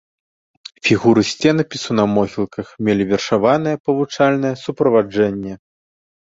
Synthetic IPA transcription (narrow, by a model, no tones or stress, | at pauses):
fʲiɣuɾɨsʲt͡sʲɛnɐpʲisunɐmɔɣʲilˠkʰɐxmʲelʲivʲɛrʂavanɐjɛpɐvut͡ʂalʲn̪ɐjɛsupɾɐvad͡ʐɛnʲːɛ